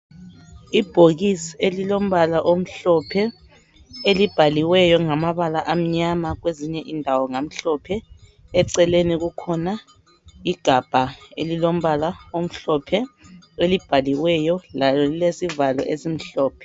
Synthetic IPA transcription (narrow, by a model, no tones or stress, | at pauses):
ib̥ʱoɣisielilom̩βalaʔom̩ɬɔpʰɛ | elib̥ʱaliwɛjɔŋamaβalaʔam̩ɲamaɣweziɲɛʔindʱawɔŋam̩ɬɔpʰɛ | ɛǀɛleniɣukʰɔna | iɡ̥ʱab̥ʱaḛlilom̩βalaom̩ɬɔpʰɛelib̥ʱaliwɛjɔlalɔlilesivalɔ̰ʔezim̩ɬɔːpʰɛ̥